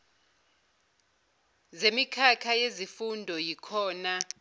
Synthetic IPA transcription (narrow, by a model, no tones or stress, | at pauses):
zemikʰakʰajezifundʱɔjikʰɔːna